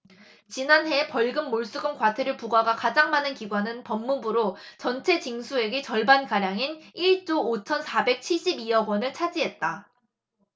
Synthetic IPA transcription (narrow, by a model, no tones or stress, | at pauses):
t͡ɕinanɦe̞pʌɭɡɯmːoɭs͈uɡɯmkwatʰeɾɯɭpuɡaɡakad͡ʑaŋmanɯnkiɡwanɯnpʌmːubuɾot͡ɕʌnt͡ɕʰe̞t͡ɕiŋsʰue̞ɡet͡ɕʌɭbankaɾjaŋiniɭt͡ɕ͈oːt͡ɕʰʌnsʰabe̞k̚t͡ɕʰiɭɕ͈ibiʌɡwʌnɯɭt͡ɕʰad͡ʑiɦe̞t̚t͈a